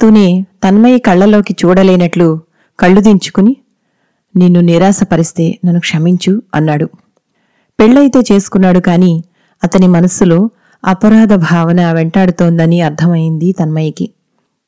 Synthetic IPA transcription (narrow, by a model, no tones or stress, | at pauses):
t̪unet̪ɐnmɐjikɐɭːɐlo̞ːkit͡ʃuːɽɐleːnɐʈlu | kɐɭːud̪iɲt͡ʃu̥kuni | ninːuniɾaːsɐpɐɾist̪e̞ːnɐnːukʂɐmiɲt͡ʃuɐ̰nːaːɽu | peɭːɐjt̪e̞ːt͡ʃe̞ːsu̥kunːaːɽukaːniː | ɐt̪ɐnimɐnɐsulo̞ː | ɐpɐɾaːd̪ɐbʱaːʋɐnɐʋeɳʈaːɽut̪oːnd̪ɐniɐɾt̪ʰɐmɐjind̪it̪ɐnmɐjiki